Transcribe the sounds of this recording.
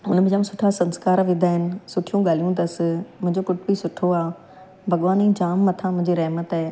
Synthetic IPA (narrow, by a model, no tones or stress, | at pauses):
ʊnmẽd͡ʑaːm̃sʊʈʰasɐ̃nskaːɾʋĩːd̪ʱaːɦɪnɪ̆sʊʈʰijũɠaːlijũd̪ɐsmʊ̃ɦɪ̃ɲd͡ʑokʊʈbisʊʈʰoaː | bʱɐɠʋaːnĩːd͡ʑaːmːɐt̪ʰãmʊ̃ɦɪ̃ɲd͡ʑiɾɐɦmət̪ː